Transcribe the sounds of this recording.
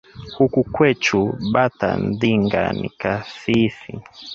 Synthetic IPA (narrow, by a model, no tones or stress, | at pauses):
hukukwɛt͡ʃuɓata̰ndiŋɡa̰nḭkaθifḭ